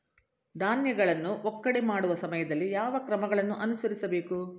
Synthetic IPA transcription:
d̪ʱaːnjɐɡɐɭɐnːuʔɔkːɐɽemaːɽuʋɐsɐmɐjɐd̪ɐlːijaːʋɐkɾɐmɐɡɐɭɐnːuʔɐnusɐɾisɐbe̞ːku

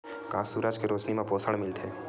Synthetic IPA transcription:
kaːsuːɾad͡ʒkeɾoːt͡ʃnimẽpoːsəɽ̃mɪlt̪ʰeː

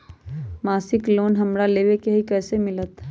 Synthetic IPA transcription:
maːsɪkloːnɦəmɾaleːʋekeɦikɛːsemɪlət̪

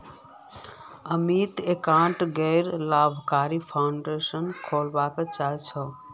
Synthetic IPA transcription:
əmit̪ekãɳʈɡəɪɾlabʱkaɾipʰaʊɳɖesənkʰolbaket͡ʃait͡ʃʰə

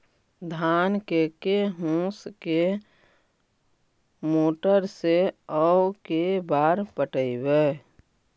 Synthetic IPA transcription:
d̪ʱaːnkekeɦũske | moːʈəɾseəwkebaːɾpəʈəibeː

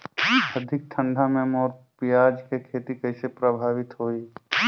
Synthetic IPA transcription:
ɐd̪ʱɪk̚t̪ʰə̃nd̪ʱamẽmɔːɾpɪjaːd͡ʒkekʰeːt̪ikɐɪsepɾəbʱaːʋɪt̪ɦoːiː

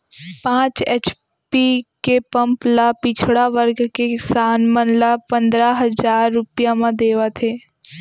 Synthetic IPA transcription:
pãːt͡ʃeːt͡ʃ | pikepɐ̃mplapit͡ʃʰɽaʋəɾɡkesaːnmənlapɐ̃nd̪ɾaɦɐzaːɾːʊpjamãd̪eːʋat̪ʰeː

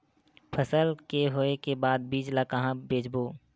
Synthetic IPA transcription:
pʰəsəlkeɦoːekebaːd̪̚biːd͡ʒlakəɦãbeːd͡ʒboː

